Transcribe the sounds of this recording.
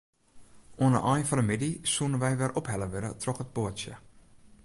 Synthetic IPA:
oənə̰ʔɔjfanəmɪdisunəʋɛjʋɛrʔɔphɛləʋɪdə̰trɔxət̚boəsjə̰

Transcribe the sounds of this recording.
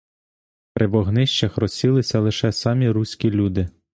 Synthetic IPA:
pɾʔɪʋɔɦnɪʃt͡ʃɐxrɔsʲilˠɪsʲɐlˠɪʃɛsɑmʲiɾusʲkʲilʲud̪ɪ

